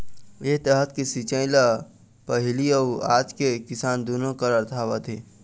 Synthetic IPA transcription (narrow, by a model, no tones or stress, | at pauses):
et̪əɦət̪kisit͡ʃəɪ̃la | pəɦɪliəaːd͡ʒkekɪsaːnd̪onõkəɾəɾt̪ʰaːʋat̪ʰeː